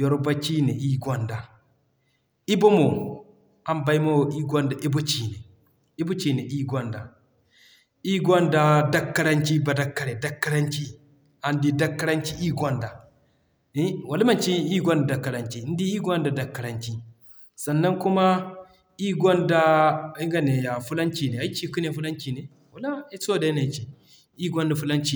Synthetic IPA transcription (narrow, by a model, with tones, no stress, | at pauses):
jɔ˨ɾba˦t͡ʃi˦ne˨i˦ɡɔ˦nda˨ | i˦bo˦mo˨ | a˨˦mba˦jmo˦wʔi˦ɡʷɔ˦nda˨ʔi˦bo˦t͡ʃi˨ne˨ | i˦bo˦t͡ʃi˨ne˨ʔi˦ɡʷɔ˦nda̰˨ | i˦ɡʷɔ˦nda˦da˦kːa˦ɾa˦nt͡ʃi˦ba˨da˨kːa˨ɾe˨da˦kːa˦ɾa˦nt͡ʃi˦ | a˨ndi˦da˦kːa˦ɾa˦nt͡ʃi˦ʔi˦ɡʷɔ˦nda˨ | ni˦wa˨li˦ma˨t͡ʃi˦i˦ɡʷo˦nda˨da˨kːa˨ɾa˨nt͡ʃi˨˦n˦di˦i˦ɡʷa˦nda˨da˨kːa˨ɾa˨nki˦ | sa˨nːa˦ŋku˦ma˦ | i˦ɡʷo˦nda˦i˦ŋɡa˦˨ne˨ja˨fu˦la˦nt͡ʃi˨ne˨a˦i˦t͡ʃi˦˨ku˦ne˨fu˦la˦nki˨ne˨ | wa˨la˦i˦so˦˨da˨i˦na˨t͡ʃi˨ | i˦ɡʷo˦nda˨fu˦la˦nt͡ʃi˨